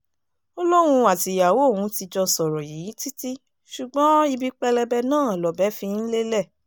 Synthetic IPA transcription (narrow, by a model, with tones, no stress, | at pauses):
ɔ˧lo˦ɾ̃ũ˧a˨ti˨ja˨wo˨˦o˦˨w̃ũ˨˧˦ti˧d͡ʒɔ˧sɔ˨ɾɔ˨ji˨˦ti˦ti˦ | ʃu˨ɡ͡bɔ̃˨˦i˧bi˧k͡pɛ˧lɛ˧bɛ˧nãː˦˨lɔ˨bɛ˨˦fĩ˧n̩˦le˦lɛ˦˨